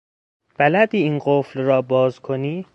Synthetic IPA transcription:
b̥ælæd̪iːiːnɢoflɾɒːbɒːzkʰo̞niː

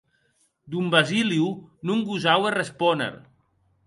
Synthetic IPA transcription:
d̪umbaziliunuŋɡuzawerespɔnḛɾ

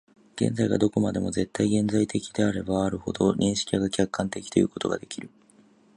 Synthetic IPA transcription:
ɡ̥ẽ̞̰nd͡zaiɡa̰d̪o̞ko̞mad̪e̞mo̞ze̞t̪ːaiɡẽ̞nzait̪e̞kʲid̪e̞aɾe̞baːɾɯ̟ho̞̰d̪o̞ɲʲʔĩɰ̃ɕi̥kʲiaɡakʲakːãnt̪e̞kʲi̥t̪o̞jɯ̟ːko̞t̪o̞̰ɡad̪e̞kʲiɾɯ̟

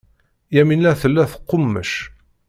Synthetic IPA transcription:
jæminːæθəlːæθə̥qːʊmːə̰ʃ

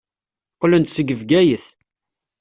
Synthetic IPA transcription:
qːlənt̪səɡəvɡæjəθ

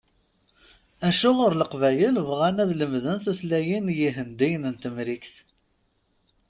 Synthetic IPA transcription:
æʃʊʁʊɾləqvæjəlvʁænæðləmðənθuslæjinjiɦənd̪ijnənt̪əmɾikθ

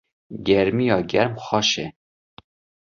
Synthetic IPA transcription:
ɡɛɾmijɑːɡɛɾmxɑʃɛ

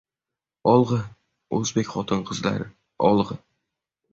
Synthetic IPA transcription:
ɒlˠʁɨ | ɵzbekʲχɒt̪ʰɨnqʰɨzla̰ɾɪ | ɒ̰lˠʁɨ

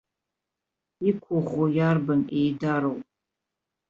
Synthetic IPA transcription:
ikʷʰoʁʷojarbɨnejdaɾowpʼ

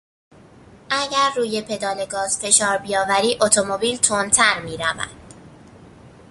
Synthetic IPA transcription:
ʔæɟæɾːuːje̞pʰe̞d̪ɒːle̞ɡɒːz̥fe̞ʃɒːɾbijɒːvæɾiːʔo̞t̪ʰo̞mo̞biːlt̪ʰont̪ʰæɾmiːɾævæ̰nd̪̥

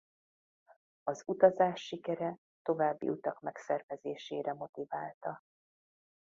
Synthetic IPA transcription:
ɒzut̪ɒzaːʃːikɛɾɛ | t̪o̞vaːbːḭʔut̪ɒkmɛksɛrvɛzeːʃeːɾɛmo̞t̪ivaːlt̪ɒ

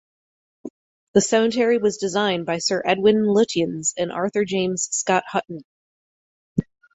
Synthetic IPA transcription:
ðɨsɛmɨ̃ntʰɛɹiwʌzdɨzãɪ̃nbaɪsɜ˞ʔɛd̚wɪ̃nlɪɾiɨ̃nzɨ̃nʔɑ̰ɹθə˞d͡ʒẽɪ̃mz̥skɑt̚hʌʔn̩

